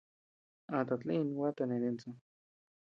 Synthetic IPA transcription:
a˧t̪a˨˧t͡ɬĩ˦˧n˧wa˦t̪a˧nẽ˨ɾẽ˧nt͡sõ˧

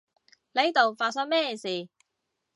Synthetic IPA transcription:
le˨˥jt̪o˨wfaː˧t̚sɐ˥ŋ̚mɛː˥˩siː˨˩

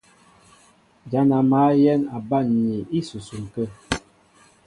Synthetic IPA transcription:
d͡ʒa˨˦na˨ma˨˦jɛ˦na˨ba˦˨nɲi˨i˦su˨su˨ŋ˨kə˦

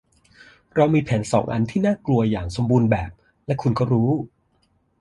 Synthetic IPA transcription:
ɾa˧wmiː˧pʰɛː˩˦nsɔ̰ː˩˦ŋʔa˧nt̪ʰiː˥˩naː˥˩klu˧ɐjaː˨˩ŋso˩˦mbuː˧nbɛː˨˩p̚ | lɛ˦˥kʰu˧nkɔː˥˩ɾuː˦˥

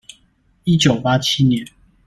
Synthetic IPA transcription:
i˦˥t͡ɕjo˨˩ʊpa˦t͡ɕʰi˦njɛ˨˦n

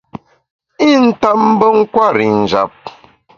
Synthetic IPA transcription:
i˦˨n̩˦ta˦m̩˦bə˦ŋ̩˦kwa˦˨ɾi˨n̩˨d͡ʒa̰˨p̚

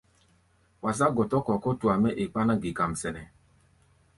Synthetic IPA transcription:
wa˨s̬a˦ɡɔ˨tɔ˦kɔ˨kɔ˦tu˨a˨mɛ˦ʔe˨k͡pa˦na˦ɡi˨ka˨m̩˨sɛ˨nɛ˨

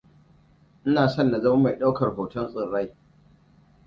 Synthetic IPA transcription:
ʔɪ˦naː˨sɔ˦nːa˨zɐ˦mɐ˦ma˨jɗa˦wkɐ˨rho˨tɔ˦nsʼɪ˨nɽa˦j

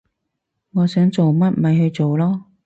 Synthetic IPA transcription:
ŋɔː˨˧sœː˨˥ŋt͡so˨wmɐ˥t̚mɐ˨˧jhɵ˧ɥt͡so˨wlɔː˥

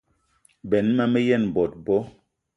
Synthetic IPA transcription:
bɛ˨˦nmɛ˦mɛ˦jɛ˦˨n˨bɔ˨t̚bɔ˦

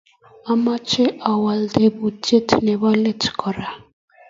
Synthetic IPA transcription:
a˦ma˦t͡ʃe˦ʔa˨wa˨lde˦bu˨te˦tʰnɛ˨βa˦le˦tkʰɔ˨ɾa˨

